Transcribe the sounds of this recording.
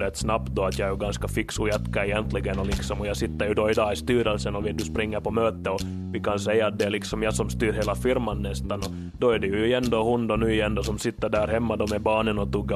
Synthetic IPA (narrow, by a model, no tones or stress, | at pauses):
ɾɛt̪ːsnap̚t̪̚d̪ɔat̪jɑɛɾjɵɡanskafɪksʊjɛt̪kaɛjɛnt̪lɪɡənɔlɪksɔmɔjɑsɪt̪ːəɾjʉd̪oɪd̪ɑːɪst̪yːɾɛlsənɔʋɪd̪ɵspɾɪŋːəɾpɔmøːt̪ːəɔ | ʋɪkansɛjːaːt̪̚d̪ɛæɭɪksɔmjɑsɔmst̪yːɾɦeːlafɪɾmanːɛst̪anɔ | d̪ɔæɖɛjʉʉɪɛnd̪ohʊnd̪ɔnʉːɪjɛnd̪osɔmsɪt̪ːəɖæːɾɦɛmːad̪ɔmɛbɑːnənɔt̪ʊɡːə